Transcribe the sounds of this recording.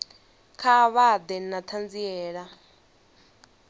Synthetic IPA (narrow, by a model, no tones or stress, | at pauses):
kʰaβad̪ɛnat̪ʰand͡ziɛːɺa